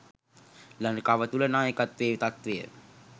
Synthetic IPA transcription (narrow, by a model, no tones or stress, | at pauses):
lankaʋət̪ulənaːjəkat̪ʋeːʋit̪at̪ʋejə̰